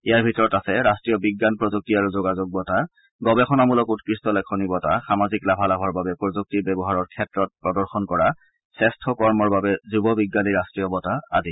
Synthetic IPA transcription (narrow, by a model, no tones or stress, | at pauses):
ijaɹbʱitɔɹɔtasɛɹastɹijɔbiɡːanpɹɔzuk̚tiaɹuzoɡazoɡ̚bɔta | ɡɔbɛxɔnamulɔkutkɹistɔlɛkʰɔnibɔtaxamaziklabʱalabʱɔɹbabɛpɔzuk̚tibɛbɔɦaɹɔɹkʰɛtɹɔt̚pɹɔdɔɹxɔnkɔɹa | sɛstʰɔkɔɹmɔɹbabɛzubɔbiɡːaniɹastɹijɔbɔtaa̰di